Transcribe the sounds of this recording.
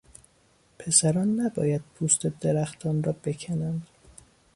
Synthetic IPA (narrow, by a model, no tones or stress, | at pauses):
pʰe̞sæɾɒːnːæbɒ̰ːjæd̪̥̚pʰuːst̪ed̪e̞ɾæxt̪ʰɒːnrɒːbe̞cʰænænd̪̥